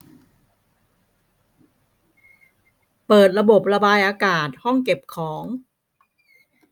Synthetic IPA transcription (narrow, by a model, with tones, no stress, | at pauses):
pɤː˨˩t̪̚ɾa˧bo˨˩p̚ɾa˧baː˧jʔaː˧kaː˨˩t̪̚hɔ˥˩ŋke˨˩p̚kʰɔː˩˦ŋ